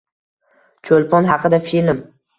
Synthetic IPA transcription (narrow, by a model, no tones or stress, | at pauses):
t͡ʃʰolpɒnɦɑqɨd̪afilm